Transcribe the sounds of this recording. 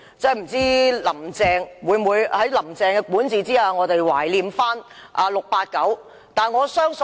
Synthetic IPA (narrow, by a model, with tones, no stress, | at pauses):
t͡sɛ˥˩m̩˨˩t͡siː˥lɐ˨˩mt͡sɛː˧ŋwuː˨˧jmuː˨˧jhɐ˨˥jlɐ˨˩mt͡sɛː˧ŋkɛː˧kuː˨˥nt͡siː˨t͡siː˥haː˧˩ŋɔː˨˧t̪e˨jwa̰ː˨˩jliː˧mfaː˥nʔaː˧lʊ˨k̚paː˧t̚kɐ˨˥w | t̪aː˨˩nŋɔː˨˧sœː˥ŋsɵ˨